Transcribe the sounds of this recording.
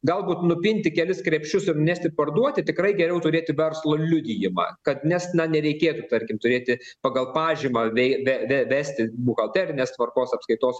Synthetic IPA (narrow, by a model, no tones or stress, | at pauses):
ɡɐlˠbuːt̪nʊpʲɪnʲt̪ʲɪkʲɛlʲɪskɾʲɛpʲʃt͡ʃʲʊsɪrnnʲæːsʲt̪ʲɪpɐrd̪uɔt̪ʲɪt̪ʲɪkrɐɪɡʲɛɾʲɛʊt̪ʊɾʲeːt̪ʲɪʋʲɛrslˠoːlʲʊd̪ʲɪjɪmɑ̰kɐt̪nʲɛsnɐnʲɛɾʲɛɪkʲeːt̪ut̪ɐrʲkʲɪmt̪ʊɾʲeːt̪ʲɪpɐɡɐlˠpɑːʒʲiːmɑʋʲɛɪʋʲɛʋʲɛʋʲæːsʲt̪ʲɪbukɐlˠt̪ʲæːɾʲɪnʲeːst̪ʋɐrkoːsɐpskɐɪt̪oːs